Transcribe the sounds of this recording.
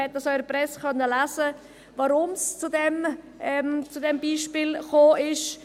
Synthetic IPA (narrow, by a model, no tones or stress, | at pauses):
ɛt̚dɑsɔʏəɾpɾɛskʰœnːəlasə | vɑɾʊmst͡sudɛm | ɛmt͡sudɛmbiːʃpɪːlχoːʔɪʃ